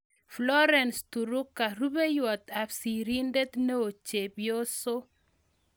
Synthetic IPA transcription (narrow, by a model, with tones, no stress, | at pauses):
flɔ˦ɾɛ˨nst̪u˨ɾʊ˦kːa˨ɾu˦be˦jwɔ˨t̪a˨fsi˨ɾi˦nde˦t̪ne˦o˨t͡ʃe˨bjo˦so˦